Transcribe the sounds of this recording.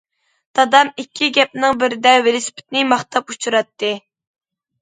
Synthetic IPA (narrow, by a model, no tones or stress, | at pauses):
dt̪ɑd̪ɑmikʲʰːiɡʲɛp̚nɪŋbɪɾɪd̪ɛwelˠɪsɪ̥pʰɪ̥t̪nɪmɑχt̪ʰɑput͡ʃʰuɾɑt̪ʰːɨ